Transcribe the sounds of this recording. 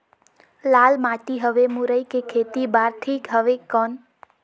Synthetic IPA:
lalmat̪iɦəʋemuɾəjkekʰet̪ibaɾt̪ʰikɦəʋekən

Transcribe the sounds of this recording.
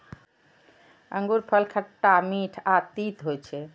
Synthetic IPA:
əŋɡuɾpʰəlkʰəʈːamiʈʰat̪it̪ɦot͡ʃʰɛ

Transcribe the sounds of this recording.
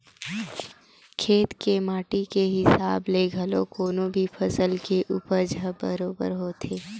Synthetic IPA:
kʰeːt̪kemaːʈikeɦɪsaːbleɡʱɐlokoːnõbʱipʰɐsəlkeʔuːpəɾd͡ʒʱəbə̰ɾoːbə̰ɾɦoːt̪ʰeː

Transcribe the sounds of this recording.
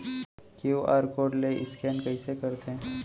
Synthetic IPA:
kiwaɾkoɽleʔɪskɛnkəisekəɾt̪ʰẽ

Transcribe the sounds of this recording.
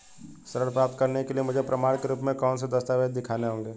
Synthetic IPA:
sɐɾəɽpɾaːp̚t̪̚kɐɾnekeliemʊd͡ʒʱepɾʔɐmaːɽ̃keɾuːpmẽkɔːns̬ed̪ɐst̪aːʋed̪d̪ɪkʰaːneɦõːŋɡeː

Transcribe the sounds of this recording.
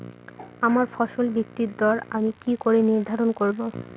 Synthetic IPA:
amaɾfɔʃolbik̚t̪iɾd̪ɔɾamikikoɾeniɾd̪ʱaɾonkoɾbo

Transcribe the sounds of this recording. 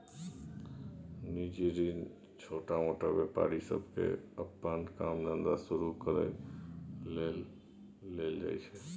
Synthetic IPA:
nid͡ʒiɾin | t͡ʃʰoʈamoʈabepa̰ɾisə̰bʱkḛəpːankamnənd̪asuɾukəɾə̰ | eld͡ʒa̰jt͡ʃʰɛ

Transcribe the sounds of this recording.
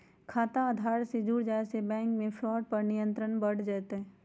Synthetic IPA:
kʰaːt̪aaːd̪ʱaːɾsed͡ʒuːɽd͡ʒaːesebɛ̃ːŋkmẽfʰlɔːɖ̚pɐɾnɪjə̃nt̪ɾənbəɽ̤d͡ʒat̪ɦɛː

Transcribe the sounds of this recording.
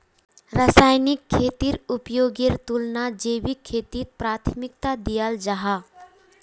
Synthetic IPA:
ɾəsaːjnɪkʰːeːt̪iɾʊpjoːɡeɾt̪ulnad͡ʒeːwikʰːeːt̪it̪̚pɾaːt̪ʰmɪk̚t̪ad̪ijaːld͡ʒaɦa

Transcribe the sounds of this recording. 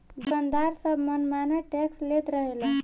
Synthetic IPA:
bənd̪aɾsəbʱmənmanaʈekslet̪ɾəɦelə

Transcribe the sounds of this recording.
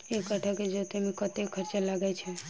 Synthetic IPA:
ekəʈʰaked͡ʒot̪emikət̪ekʰəɾt͡ʃelaɡajt͡ʃʰe

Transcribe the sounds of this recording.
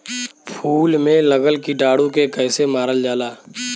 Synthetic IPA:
pʰuːlmẽləɡəlkiɖaːɽũkekɛːsemaːɾəld͡ʒaːlaː

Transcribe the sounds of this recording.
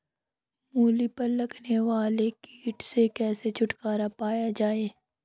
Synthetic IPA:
muːlipɐɾlɐɡneʋaːlekiːʈsekɛːset͡ʃʰʊʈkaːɾapaːjad͡ʒaːeː

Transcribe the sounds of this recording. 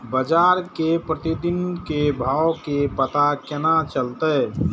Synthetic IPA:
bəd͡ʒaːɾkepɾət̪id̪ɪnkebʱawkepət̪akenat͡ʃəlt̪ə

